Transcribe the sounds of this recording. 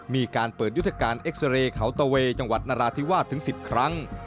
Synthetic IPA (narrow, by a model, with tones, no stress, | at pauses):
miː˧kaː˧npɤː˨˩t̪̚ju˦˥t̪ʰːa˧kaː˧nʔe˦˥k̚sa˧ɾeː˧kʰa˩˦wt̪aː˧weː˧t͡ɕa˧ŋwa˨˩t̪̚naː˧ɾaː˧t̪ʰi˦˥waː˥˩t̪ʰːɯ˩˦ŋsi˨˩p̚kʰɾa˦˥ŋ